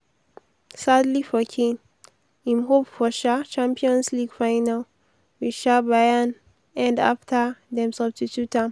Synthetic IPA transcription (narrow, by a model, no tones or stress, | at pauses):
sadlifɔkʰĩn | ĩmɦopfɔʃat͡ʃãmpiɔ̃nsliɡfaɪnal | wiʃabajan | ɛ̃nda̰ftʰədɛ̃msʌbstitutʰãm